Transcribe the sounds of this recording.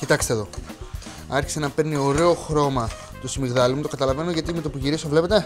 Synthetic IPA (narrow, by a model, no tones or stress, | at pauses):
cit̪ɐkst̪eðo̞ | ɐɾçi̥senɐpe̞ɾnio̞ɾe̞o̞xɾo̞mɐ | t̪usimiɣðɐlimut̪o̞kɐt̪ɐlɐve̞noʝɐt̪imet̪opuʝiɾisovle̞pe̞t̪e̞